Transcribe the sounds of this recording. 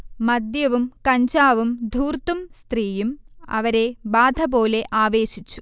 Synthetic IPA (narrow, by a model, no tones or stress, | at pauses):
mɐd̪jɐʋumkɐɲd͡ʑaːʋumd̪ʱuːrt̪umst̪riːjumɐ̰ʋɐɾe̞baːd̪ʱɐbo̞ːle̞ʔaːʋe̞ːɕit͡ɕːu̥